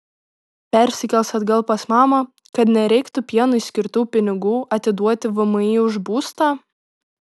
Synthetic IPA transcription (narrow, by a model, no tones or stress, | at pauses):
pʲɛɾʲsʲɪkʲɛlʲˠsɐd̪ɡɐlˠˑpɐsmɑːmɐ | kɐt̪nʲɛɾʲɛɪkt̪ʊpʲiɛnʊsʲkʲɪɾt̪uːpʲɪnʲɪɡuːɐt̪ʲɪd̪uɔt̪ʲɪʋɐmɐɪʊʒbuːst̪ɑː